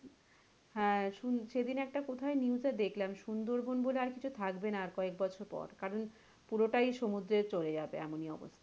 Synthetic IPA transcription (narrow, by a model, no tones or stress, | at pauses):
hɛ̃ʃunʃed̪inɛk̚ʈakot̪ʰaeniud͡ʑad̪ekʰlamʃund̪oɾbonboleaɾkit͡ɕʰut̪ʰakbenaɾkɔek̚bɔt͡ɕʰoɾpɔ̰ɾkaɾon | puɾoʈajʃomud̪ɾeɾt͡ɕoɾed͡ʑabḛɛ̰moniɔ̰bo̰st̪ʰa